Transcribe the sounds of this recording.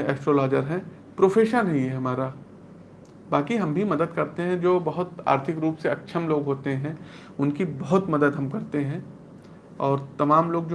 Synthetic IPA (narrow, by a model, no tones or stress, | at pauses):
ɛːsʈɾoːlaːd͡ʒəɾɦɛ̃ | pɾoːfʰeːʃənɐɦĩɛɦɐmaːɾa | baːkiɦɐmbʱimɐd̪əd̪kɐɾt̪eɦɛ̃d͡ʒoːbɐɦʊt̪a̰ːɾt̪ʰɪkɾuːpseɐkʃʰəmloːɡɦoːt̪eɦɛ̃ | ʊnkibɐɦʊt̪mɐd̪əd̪ɦɐmkɐɾt̪eɦɛ̃ː | ɔːɾt̪ɐmaːmloːɡ̚d͡ʒo